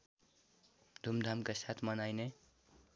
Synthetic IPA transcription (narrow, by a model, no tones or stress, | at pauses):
d̪ʱumd̪ʱamkasat̪ʰmʌnajne